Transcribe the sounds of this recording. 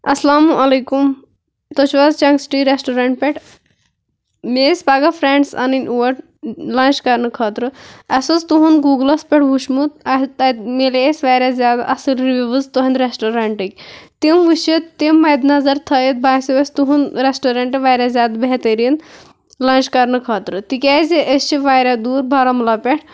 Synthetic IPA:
ɐslaːmuʔɐlɐjkum | t̪ot͡ʃʰʋazt͡ʃɐŋɡsʈiɾesʈoɾɐɳʈ̚peʈʰ | mespaːɡɐfʰɾeɳɖsɐ̰ninʲuʋɐɾʈ | lãːnt͡ʃkɐɾnɨkʰɐːt̪ɾɨɐsɐzt̪uɦunɡuːɡlɐspʲɛʈʰʋuʃmut̪ɐmeleesʲʋajɾʲazʲaːd̪ʔɐsɨlɾiʋʲiʋɨzt̪uɦɐnd̪ɾesʈoɾeɳʈɨkʲt̪imʋuʃit̪ːimːɐjd̪nɐzɐɾt̪ʰɐjit̪̚bʱaːjsiʋɐsʲt̪uɦunɾesʈoɾeɳʈɨʋajɾʲazʲjaːd̪beɦt̪əɾin | laːnt͡ʃkɐɾnɨkʰɐːt̪ɾɨt̪ikʲaːzeʔəst͡ʃʰiʋaːjɾʲad̪uːɾbʱɐɾɐmlɐpʲeʈʰ

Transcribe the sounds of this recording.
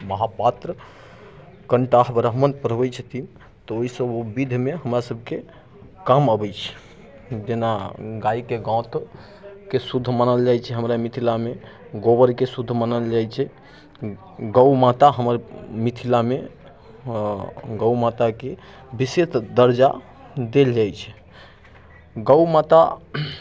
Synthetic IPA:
məɦapat̪ɾə | kəɳʈaɦbɾəɦmənpəɾbɛt͡ʃʰət̪ʰin | t̪ɔoisəbubid̪ʱmeɦəmɾasəb̚ʱke | kaməbɛt͡ʃʰɛ̥ | d͡ʒenaɡaikeɡãt̪ | kesud̪ʱːmanəld͡ʒajt͡ʃʰɛɦəmɾamit̪ʰilame | ɡobəɾkesud̪ʱːmanəld͡ʒajt͡ʃʰɛ | ɡəwmat̪aɦəməɾmit̪ʰilame | ɡəwmat̪ake | biset̪d̪əɾd͡ʒa̰ | d̪eld͡ʒajt͡ʃʰɛ̥ | ɡəwmat̪a

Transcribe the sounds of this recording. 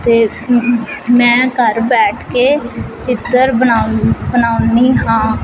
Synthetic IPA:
t̪eː | mɛ̃ːkəɾbɛːʈʰkeːt͡ʃɪt̪ːəɾəabənaːʊniːɦãː

